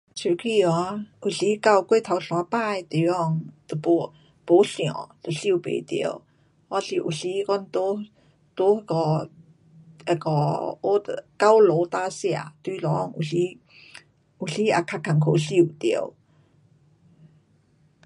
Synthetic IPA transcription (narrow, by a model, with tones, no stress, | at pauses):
t͡ɕʰu˨˩kʰi˧˨ɔ˧˦ʔu˨˩ɬi˧˦ka˥˧˨wkwe˥˧˨t̪ʰa˨˧˦wɬw̃a˨˧˦pa˥˧˨jt̪e˨˧˦ɔ˥˧˩ŋt̪ə˨po˧˦ | po˧˦ɬj̃ɔ̰̃˨t̪ə˨˩ɬi˥˨pḛ˨t̪ḭ˨˧˦w | ha˧ɬi˧˨ʔṵ˨˩ɬi˧˦kɔ˥˧˨nt̪o˦ | t̪o˧˦˧kɔ˧˩ | e˧˩kɔ̰˧˩o˦t̪ka˦wlo˨˧˦t̪a˧sja˧˨t̪wi˧˩lɔ˨˦˧ŋṵ˨˩ɬi˦ | u˨ɬi˦a̰˧kʰa˧kʰa˨˩ŋkʰo˨˩ɬi˥˧˨t̪i˨˧˩ə˦w